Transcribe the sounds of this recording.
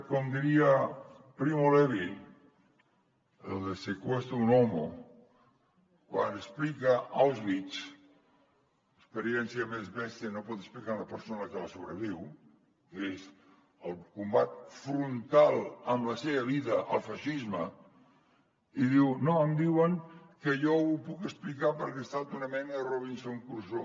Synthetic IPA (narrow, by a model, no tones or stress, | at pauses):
komd̪iɾia | pɾimoleβi | elˠd̪esekwest̪unɔmo̰ | kwanəsplikaalˠzβit͡ʃt͡s | əspəɾjɛnsjamezβɛst̪ənopɔt̪ə̥splikaləpəɾsonəkəlasoβɾəβiw | kez | əlˠkumbat̪̚fɾunt̪alˠəmləseβəβiðəʔəlˠfaʃizmə | iðiwnoəmd̪iwəŋkəʒɔupukəsplikapəɾkest̪at̪unəmɛnəroβinsoŋkuɾso